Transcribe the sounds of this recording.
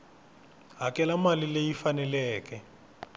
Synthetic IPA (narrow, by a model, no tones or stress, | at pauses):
ɦakʼɛlamalilejifanɛlɛːkɛ